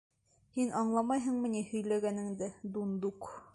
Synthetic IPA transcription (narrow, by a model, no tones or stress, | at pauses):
hinʔɑɴlˠɑmɑjɦɤ̆ɴmɘ̆nihɵ̆jlæɡænɘ̆ŋd̪ɘd̪und̪uq